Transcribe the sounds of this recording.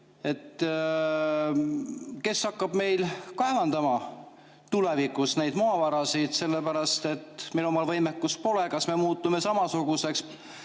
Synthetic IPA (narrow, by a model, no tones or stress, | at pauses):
e̞t̪ | ke̞sɑkːɑb̥me̞jlkɑe̞vɑnd̪̥ɑmɑ | t̪ule̞vikːˑusne̞jd̪moɑvɑɾɑsid̪̥se̞lːepæɾɑst̪e̞t̪milumɑlvɤjmekːˑuspo̞le̞kɑsme̞muːt̪ːˑume̞sɑmɑsuɡ̥use̞ks